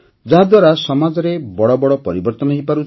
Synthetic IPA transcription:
d͡ʒaɦad̪waɾasɔmad͡ʒɔɾebɔɽɔbɔɽɔpɔɾibɔɾt̪ɔnɔɦijpaɾut͡ʃ

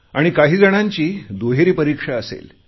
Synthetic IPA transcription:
aɽ̃ikaɦiːd͡zəɽ̃aɲt͡ɕiːd̪oɦeɾiːpəɾikʂaəsḛl

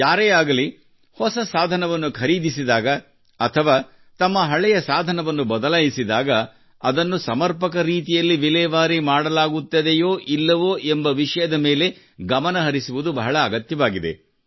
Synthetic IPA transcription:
jaːɾeaːɡɐli | hɔsɐsaːd̪ʱɐnɐʋɐnːukʰɐɾiːd̪ʱisid̪aːɡɐ | ɐt̪ʰɐʋaː | t̪ɐmːɐɦɐɭɛjɐsaːd̪ʱɐnɐʋɐnːubɐd̪ɐlaːjisid̪aːɡɐ | ɐd̪ɐnːusɐmɐɾpɐkɐɾiːt̪̬ijɐlːiʋilɛʋaːɾimaːɽɐlaːɡut̪ːɐd̪ejoːʔilːɐʋoːʔembɐʋiʂɐjɐd̪ɐme̞ːle | ɡɐmɐnɐɦɐɾisuʋud̪ubɐɦɐɭɐːɡɐt̪jɐʋaːɡid̪e̞̰

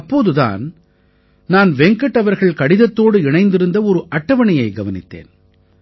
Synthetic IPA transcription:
ɐpːoːðɯða̰ːn | naːnʋɛŋkɐʈːɐʋɐɾɣɐɭkɐɽɪðɐt̪ːoːɽɯɪɳɐɪnd̪ɪɾɯnd̪ɐɔɾɯʔɐʈːɐʋɐɳɐjɐɪɡɐʋɐnɪ̰t̪ːḛːn

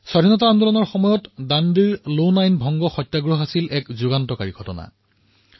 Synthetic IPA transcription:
swaɾʱinɔtaandɔlɔnɔɹxɔmɔjɔtdandiɹlonajnbʱɔŋɡɔxɔjtːaɡɹoɦasilʔɛkzuɡantɔkaɹiɡʱɔtɔna̰

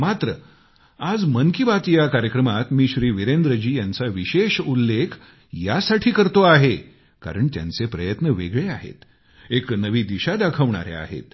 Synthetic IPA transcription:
mat̪ɾə | ad͡zmənkibat̪ijakaɾjəkɾəmat̪miːɕɾiːʋiɾend̪ɾəd͡ʑiːjant͡saʋiɕeɕulːekʰ | jasaʈʰiːkəɾt̪oaɦe | ka̰ɾəɳt̪ja̰nt͡sepɾəjət̪nəʋeɡɭeaɦḛt̪ | eknəʋiːd̪iɕad̪akʰəʋɳa̰ɾḛa̰ɦḛt̪

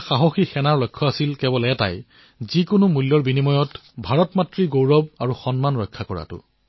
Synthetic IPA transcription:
xaɦɔxixɛnaɹɹɔjkʰːɔasilkɛbɔlɛɛta̰j | zikʊnʊmulːɔɹbinimɔjɔtbʱaɹɔtmatɹiɡowɹɔb̚aɹuxɔnmanɹɔjkʰːakɔɹa̰tʊ̰

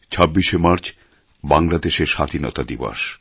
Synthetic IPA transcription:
t͡ɕʰɔbːiʃemaɾt͡ɕ | baŋlad̪eʃeɾʃad̪ʱinɔ̰t̪ad̪ibo̰ʃ

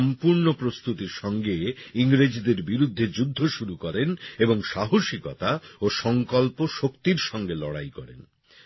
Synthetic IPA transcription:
mpuɾnopɾost̪ut̪iɾʃɔŋɡeiŋɾed͡ʑd̪eɾbiɾud̪ʱːed͡ʑud̪ʱːoʃuɾukɔɾeneboŋʃaɦoʃikɔt̪aoʃɔŋkɔlpoʃokt̪iɾʃɔŋɡelɔ̰ɽa̰jkɔ̰ɾḛn

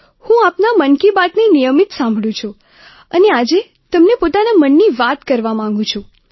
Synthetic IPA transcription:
hũapnamənkibat̪nenijəmit̪sãmbʱɭũt͡ʃʰu | ənead͡ʒe | t̪əmnepot̪anamənːiʋat̪kəɾʋamãŋ̆ɡũt͡ʃʰũ

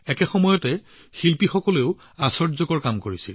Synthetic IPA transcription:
ɛkɛxɔmɔjɔtɛ | xilpixɔkɔleʊ | asɔɹzɔɡɔɹkamkoɹisil

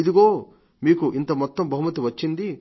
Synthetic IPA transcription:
id̪iɡo̞ː | miːkuʔint̪ɐmɔt̪ːɐmbʱɐɦumɐt̪iʋɐt͡ʃːind̪i

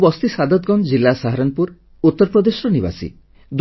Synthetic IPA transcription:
bɔst̪isad̪ɔt̪ɡɔnd͡ʒilːasaɦaɾɔnpuɾ | ut̪ːɔɾpɾɔd̪esɔɾɔniba̰sḭ | d̪

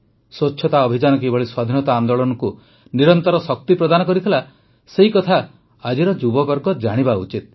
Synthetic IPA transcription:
sot͡ʃːʰɔt̪aɔbʱid͡ʒanɔk̬ibʱɔɭiswad̪ʱinɔt̪aːnd̪oɭɔnɔku | niɾɔnt̪ɔɾɔsɔk̚t̪ipɾɔd̪anɔkɔɾit̪ʰela | seɦikɔt̪ʰa | ad͡ʒiɾɔd͡ʒubɔbɔɾɡɔd͡ʒaɽ̃ibaṵt͡ʃit̪̚

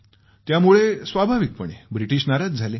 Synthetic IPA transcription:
t̪jamuɭesʋabʱaʋik̚pəɳebɾiʈiːɕnaɾat̪̚d͡zʱale

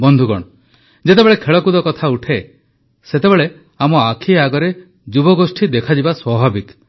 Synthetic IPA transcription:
bɔnd̪ʱuɡɔɽ̃ɔ | d͡ʒet̪ebeɭekʰeɭɔkud̪ɔkɔt̪ʰauʈʰe | set̪ebeɭe | amɔakʰiaɡɔɾe | d͡ʒubɔɡosʈʰid̪ekʰad͡ʒibaswɔbʱabit̪

